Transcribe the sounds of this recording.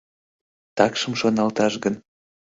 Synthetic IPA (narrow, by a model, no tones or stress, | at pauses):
t̪ɑkʃəmʃonɑlt̪ɑʃɡən